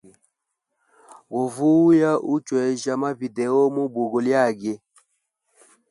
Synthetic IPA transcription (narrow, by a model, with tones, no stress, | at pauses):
ɣo˨vu˦ja˦ʔu˦t͡ʃwɛ˨ʒa˦ma˦vi˨dɛ˨o˦mu˦bu˨ɡo˨lja˦˨ɡe˦